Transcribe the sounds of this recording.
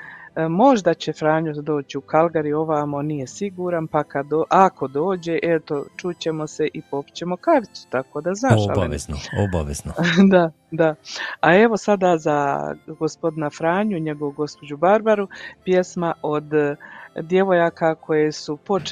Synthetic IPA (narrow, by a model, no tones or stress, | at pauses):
mo̞ʒd̪at͡ɕe̞fɾaːɲud̪o̞ːt͡ɕiukʰalˠɡaɾijo̞ʋaːmo̞nije̞siɡuːɾanpakad̪oʔako̞d̪o̞ːd͡ʑe̞ʔe̞t̪o̞t͡ʃut͡ɕe̞mo̞se̞ʔipo̞pi̥t͡ɕe̞mo̞kaʋiu̥t̪ako̞ːd̪aznaːʃa̰lba̰ʋḛznooba̰ʋḛznod̪a | d̪aae̞ʋo̞sad̪aːzaɡo̞spo̞d̪inafɾaːɲuɲe̞ɡo̞ʋuɡo̞spo̞d͡ʑubaɾbaɾupje̞smaʔo̞d̪ | d̪jeʋo̞jakʰakʰo̞jesupo̞